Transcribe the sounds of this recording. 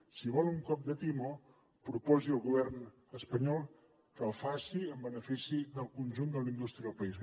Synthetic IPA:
siβɔlˠuŋkɔp̚d̪ət̪imo | pɾupɔziəlˠɣuβ̞ɛrn | əspəɲɔlˠ | kəlˠfasiəmbənəfisiðəlˠkunʲʒund̪əlind̪ust̪ɾiəðəlˠpəis

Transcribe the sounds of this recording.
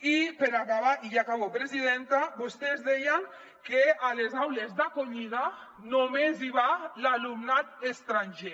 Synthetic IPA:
ipeɾakaβaʔijakaβopɾeziðɛnt̪abost̪ezðɛjaŋ | kealezawlezðakoɲiða | nomeziβalalumnat̪est̪ɾanʲʒe

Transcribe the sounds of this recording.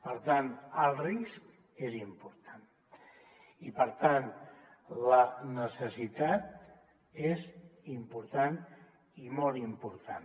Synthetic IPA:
pəɾt̪anəlˠrisk | ezimpuɾt̪ʰan | ipəɾt̪an | lənəsəsit̪at̪̚ | ezimpuɾt̪an | imɔlˠimpuɾt̪an

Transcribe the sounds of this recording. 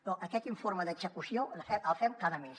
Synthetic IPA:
nɔʔəkɛt̪iɱfoɾməðəɡzəkusiolfɛəlˠfɛmkaðəmes

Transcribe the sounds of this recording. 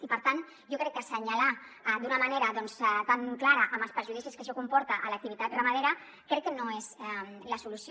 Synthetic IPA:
ipəɾt̪an | ʒokɾɛkːəsəɲalad̪unəmaneɾɐðɔnst̪aŋklaɾəʔəməlˠspəɾʒuðisiskəsokumpɔɾt̪aʔːlɐk̚t̪iβit̪at̪rəmaðeɾa | kɾɛkːənoezɛmləsulus

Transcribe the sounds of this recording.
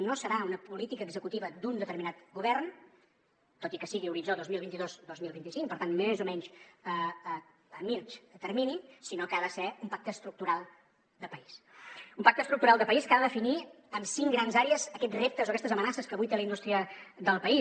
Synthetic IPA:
nosəɾaunəpulit̪ikəːɡzəkut̪iβəd̪und̪ət̪əɾminat̪ɡuβɛrn | t̪ot̪ikəsiɣiuɾid͡ʒoðozmilˠβint̪iðozd̪ozmilˠβint̪isiŋpəɾt̪anmezumɛɲʃəː | mit͡ʃət̪ərminisinokaðəsɛumpak̚t̪əːst̪ɾuk̚t̪uɾalˠ | d̪əpəis | umpak̚t̪əst̪ɾuk̚t̪uɾalˠd̪əpəiskaðəðəfini | əmsiŋɡɾanzaɾeəzəkɛt̪rep̚t̪əzokɛst̪əzəmənasəskəβujt̪eləind̪ust̪ɾiəðəlˠpəis

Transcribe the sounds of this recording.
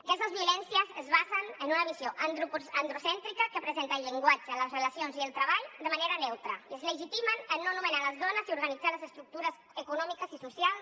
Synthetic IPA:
əkɛst̪əzβiulɛnsiəzəzβazənənunəβizjoʔ̪ɾupənd̪ɾusɛnt̪ɾikəkəpɾəzent̪əːlʎːəŋɡwad͡ʒələzreləsionziəlˠt̪ɾəβaʎd̪əmaneɾənɛwt̪ɾəiəzləʒit̪imənənːonumənaləzðɔnəziuɾɣənid͡zaləzəst̪ɾuk̚t̪uɾəz | əkunɔmikəzisusialˠ

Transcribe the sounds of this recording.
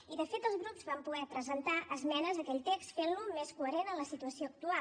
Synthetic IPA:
iðəfet̪əlˠzɣɾupzβampuɣɛpɾəzənt̪aʔəzmɛnəzðəkɛʎt̪ekst̪fenlumeskuəɾenənləsit̪uəsioək̚t̪ua

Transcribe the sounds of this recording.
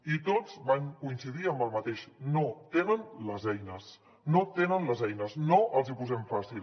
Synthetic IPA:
it̪od͡zβaŋkuinsiðiəmbəlˠmət̪eʃnot̪enənləzɛjnəs | not̪enənləzɛjnəznoʔəlˠzipuzɛɱfasilˠ

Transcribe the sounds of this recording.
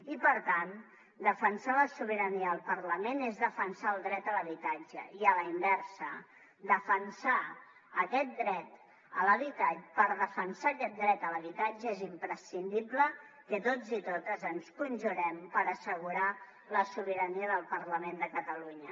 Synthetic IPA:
ipəɾt̪an | d̪əfənsaləsuβ̞əɾəniəːlˠpəɾləmenezðəfənsaəlˠd̪ɾɛt̪ələβit̪ad͡ʒə̰iələimbɛɾsə | d̪əfənsaː | kɛt̪̚d̪ɾɛt̪ | ələβit̪apəɾðəfənsakɛt̪̚d̪ɾɛt̪ələβit̪ad͡ʒəezimpɾəsind̪iblə | kət̪od͡zit̪ot̪əzənskunʲʒuɾɛmpəɾəsəɣuɾa | ləsuβ̞iɾəniəðəlˠpəɾləmend̪əkət̪əluɲə

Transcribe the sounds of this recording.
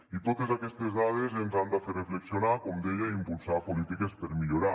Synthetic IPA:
it̪ot̪ezakɛst̪ezðað̞ezenzand̪aferefleksionakomd̪eʎaimpulˠsapolit̪ikespeɾmiʎoɾa

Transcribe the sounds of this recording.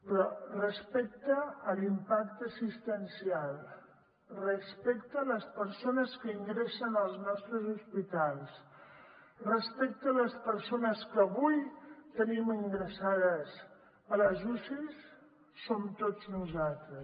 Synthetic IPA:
pɾɔrəspɛk̚t̪əːlimpak̚t̪əsist̪ənsialˠ | rəspɛkt̪əːləspəɾsonəskəiŋɡɾesənəlˠznɔst̪ɾəzuspit̪alˠs | rəspɛk̚t̪əːləspəɾsonəskəβujt̪ənimiŋɡɾəsaðəs | ələʒusisː | omt̪od͡znuzalˠt̪ɾəs

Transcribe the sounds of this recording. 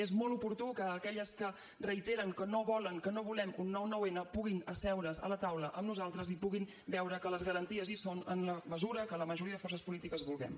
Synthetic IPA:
ezmolˠupuɾt̪ukəːkɛʎəskə | rəit̪eɾəŋkənoβɔləŋkənoβulɛmunːɔwnɔwenəpuɣinəsɛwɾəzə̰lət̪awləʔəmnuzalˠt̪ɾəzipuɣin | bɛwɾəkələzɣəɾənt̪iəzisonə̰nləməzuɾəkələməʒuɾiəðəfɔrs̬əspulit̪ikəzβulˠɣɛ̰m

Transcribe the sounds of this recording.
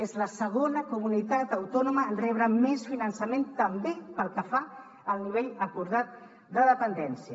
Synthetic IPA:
ezləsəɣ̞onəkumunit̪at̪əwt̪ɔnuməːnrɛβɾəmesfinənsəment̪əmbepəlˠkəfa | əlˠniβ̞eʎəkuɾðat̪̚ | d̪əðəpənd̪ɛnsiə

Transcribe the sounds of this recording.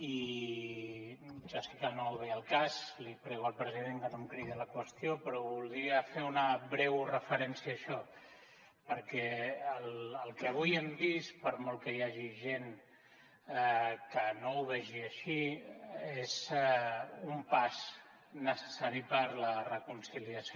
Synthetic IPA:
i | ʒosɛkənowβɛəlˠkazlipɾɛɣuəlˠpɾəziðeŋkənomkɾiðələkwəst̪ijopɾɔβulˠd̪ɾiəfeunəβɾɛwrəfəɾɛnsiəːʃɔ | pəɾkɛəlːlˠkɛβ̞ujembispəɾmɔlˠkəjaʒiʒen | kənouβɛʒiəʃi | ez | umpaz | nəsə̥saɾipəɾlərəkunsiliəs

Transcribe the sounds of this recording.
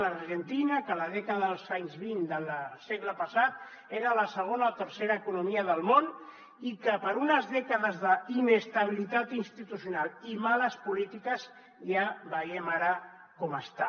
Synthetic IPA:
lərʒent̪inəkələðɛkaðəðəlˠzaɲzβind̪əlseɣləpəsat̪̚ | eɾələsəɣ̞onaot̪əɾseɾaekunumiəðəlˠmon | ikəpəɾunəzðɛkəðəzðəinest̪aβ̞ilit̪at̪inst̪it̪usjunalimaləspulit̪ikəz | jabəjemaɾə | kɔməst̪a

